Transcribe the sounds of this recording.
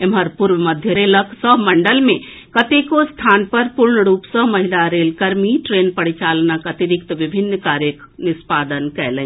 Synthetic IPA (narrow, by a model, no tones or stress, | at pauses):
emɦəɾpuɾʋəməd̪ʱjəɾeləksəɦməɳɖəlmẽ | kət̪ekost̪ʰanpəɾpuɾɳəɾupsə̃məɦilaɾelkəɾmiʈɾenpəɽit͡ʃalnəkət̪iɾikt̪ʋibʱinːkaɾjək | nɪspad̪ənkɛlɛ̃